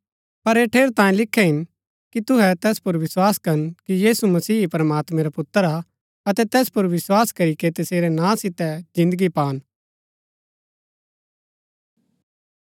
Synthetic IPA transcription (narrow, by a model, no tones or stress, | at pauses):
pɐɾeːʈʰeːɾt̪ãːĩlɪkʰːɛɦɪn | kit̪ʊɦɛt̪ɛːspʊɾʋɪswaːskɐɾnkijiːsumɐsiːpɾɐmaːt̪mɛ̃ɾapʊt̪ːəɾa | ɐt̪ɛt̪ɛːspʊɾʋɪswaːskɐɾiket̪ɐseːɾɛnãːsɪt̪ɛd͡ʒɪ̃nd̪əɡipaːn